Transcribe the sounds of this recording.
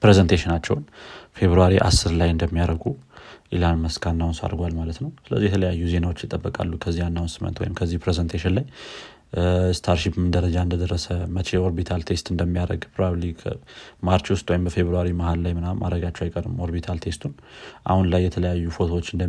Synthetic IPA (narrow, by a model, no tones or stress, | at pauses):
pɾezənt̪ʰeʃɪnat͡ʃːɛ̰wnfe̞βɾuaɾiʔa̰sːɨɾlajɨnd̪əmːijaɾəɡuʔilanməskʰanːaunsa̰ɾɡʷalmalət̪nəwsɨlə̰zːijɛt̪ʰələjajːuze̞nawo̞t͡ʃːjɪt̪ʼəbːəkʼa̰lːukʰəzːianːawunsɨmːə̰nt̪wɔ̰jɪmkʰəzːihpɾezənt̪ʰeʃɪnlaj | st̪ʰaɾʃipmɨnd̪əɾəd͡ʒaɨnd̪əd̪ərːəsəmət͡ʃeo̞ɾbit̪ʰalt̪ʰe̞st̪ɨnd̪əmːijaɾə̰ɡpʰɾobablikʰmaɾt͡ʃwʊst̪ʼwɔjimbəfe̞βɾuaɾimahallajmɨnamʔa̰d̪ɾəɡat͡ʃːɛwajkʼəɾɨmo̞ɾbit̪ʰalt̪ʰe̞st̪ʰun | ʔa̰hunlajːɛt̪ʰələjajːufo̞t̪ʰowot͡ʃːɨnd̪ə